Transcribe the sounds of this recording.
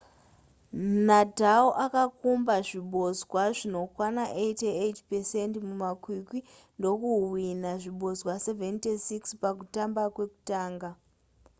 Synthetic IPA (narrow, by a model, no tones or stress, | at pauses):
nadʱaoʔakakumbaʐiɓo̞zwaʐino̞kwanaʔeiteetpesentmumakwikwi | ndo̞kuɦwinaʐiɓʱo̞zwaseventesikspak̬utambakwe̞ku̥taːŋɡa